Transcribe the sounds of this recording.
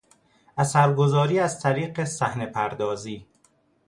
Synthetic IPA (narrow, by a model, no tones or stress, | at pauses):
ʔæsæɾɡozɒːɾiːæzt̪ʰæɾiːɢesæhne̞pʰæɾd̪ɒːziː